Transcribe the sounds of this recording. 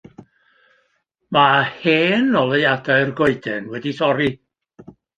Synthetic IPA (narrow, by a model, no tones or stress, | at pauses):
maheːnɔlˠejadaɨrɡoɨdɛnwɛdisɔɾi